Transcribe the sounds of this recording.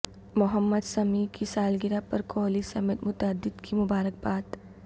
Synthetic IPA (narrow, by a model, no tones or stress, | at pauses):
mʊɦəmːəd̪sɐmikʰisaːlɡɪɾapɐɾkoːlisɐmeːt̪mʊt̪əd̪ɪd̪kʰimʊbaːɾək̚baːt̪